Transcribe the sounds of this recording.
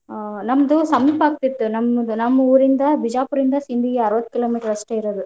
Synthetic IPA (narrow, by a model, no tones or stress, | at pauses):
nɐmːɐd̪ɯsɐmipaːk̚t̪it̪ːɯnɐmɐd̪ɯnɐmːɐuɾɪnd̪ɐbɪd͡ʒaːpuɾind̪ɐsɪnd̪ijeɐɾɯʋɐt̪ːɯ̥kɪloːmiːʈɐɾɐsʈɐjɪɾɐðɯ